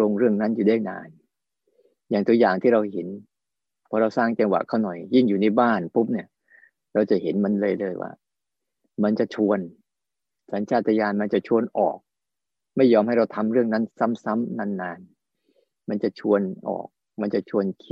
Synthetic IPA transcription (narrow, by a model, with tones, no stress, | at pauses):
o˧ŋɾɯ˥˩əŋna˦˥njuː˨˩daː˥˩jna̰ː˧n | jaː˨˩ŋt̪u˧əjaː˨˩ŋt̪ʰiː˥˩ɾa˧whe˩˦n | pʰɔː˧ɾa˧wsaː˥˩ŋt͡ɕa˧ŋwa̰˨˩ʔkʰːa˥˩wnɔ˨˩jːi˥˩ŋjuː˨˩na˥˩jbaː˥˩npu˦˥p̚ni˥˩ə | ɾa˧wt͡ɕa˨˩he˩˦nma˧nlɤː˧jlɤː˧jwa̰ː˥˩ | ma˧nt͡ɕa˨˩t͡ɕʰu˧ən | sa˩˦nt͡ɕʰaː˥˩t̪ʰːa˧jaː˧nma˧nt͡ɕa˨˩t͡ɕʰu˧ənʔɔ̰ː˨˩k̚ | ma˥˩jːɔː˧mha˥˩jɾa˧wt̪ʰa˧mɾɯ˥˩əŋna˦˥˨nsa˦˥msa˦˥mna˧nːaː˧n | ma˧nt͡ɕa˨˩t͡ɕʰu˧ənʔɔ̰ː˨˩k̚ | ma˧nt͡ɕa˨˩t͡ɕʰu˧ənkʰi˦